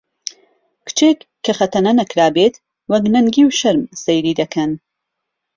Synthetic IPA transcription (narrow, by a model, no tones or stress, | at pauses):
kɨ̥t͡ʃʰeːkʰːɐxɐt̪ʰɐnɐnɐkɾaːbeːt̪ | wɐknɐŋɡiːwʃɐɾmsejɾiːd̪ɐkʰɐn